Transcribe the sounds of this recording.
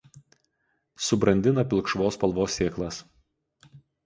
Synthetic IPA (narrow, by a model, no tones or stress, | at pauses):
sʊbɾɐnʲd̪ʲɪnɐpʲɪlˠkʃʋoːspɐlˠʋoːsːʲeːklˠɐs